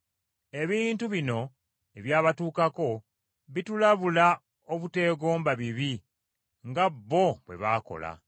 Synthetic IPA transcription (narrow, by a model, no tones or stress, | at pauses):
e̞βiːntuβino̞ | e̞βjaːβatuːkako̞ | βitulaβula | oβute̞ːɡo̞ːmbaβiβi | ŋɡaβːo̞βwe̞̰βaːko̞̰la̰